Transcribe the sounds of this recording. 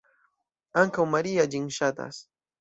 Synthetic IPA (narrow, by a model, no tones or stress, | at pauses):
aŋkawmaɾijaʎɪŋʃat̪a̰s